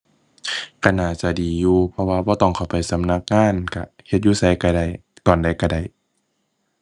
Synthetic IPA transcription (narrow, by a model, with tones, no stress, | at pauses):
ka˧˩naː˨˩t͡ɕa˧˩diː˨˩juː˧pʰɔ˧waː˧bɔː˧t̪ɔː˧˩˨ŋkʰa˨˩wpa˨jsa˨˦mna˧˦k̚ŋaː˧˥˨nka˧he˧t̪̚juː˧˨sa˧˦jka˧˩da˧˩jt̪ɔː˨nda˨˧˩jka˧˩da˧˩j